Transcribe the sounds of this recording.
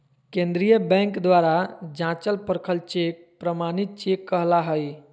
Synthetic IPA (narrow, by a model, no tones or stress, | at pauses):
kẽnd̪ɾijəbɛ̃ŋkd̪ʋaɾad͡ʒãt͡ʃəlpəɾkʰəlt͡ʃek̚ | pɾəmanit̪̚t͡ʃekːəɦlaɦəj